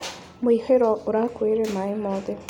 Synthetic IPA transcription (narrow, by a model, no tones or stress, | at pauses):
mwiheɾɔʔoɾakweɾemaimoðe